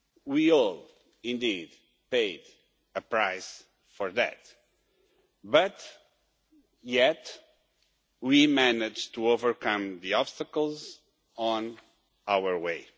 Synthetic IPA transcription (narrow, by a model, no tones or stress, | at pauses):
wiɔlˠ | ĩnd̪id | peɪd | ɨpɹaɪs | fɔɹðæ̰t̪ | bʌt | jɛt | wimænɪd͡ʒtuovə˞kʰʌ̃mðiɔb̥st̪əkəl̩ˠz | ə̃n | awə˞weɪ